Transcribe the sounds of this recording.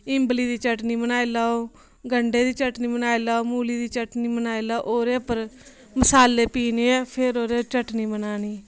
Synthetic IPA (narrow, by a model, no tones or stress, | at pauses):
ɪmbliːd̪iːt͡ʃəʈniːmənaːiːlaːoː | ɡəɳɖeːd̪iːt͡ʃəʈniːbənaːiːlaːoːmuːliːd̪iːt͡ʃəʈniːmənaːilaoʔoːɾeːpəɾ | məsaːleːpiːneːɛːpʰɪɾoːɾeːt͡ʃəʈniːmənaːniː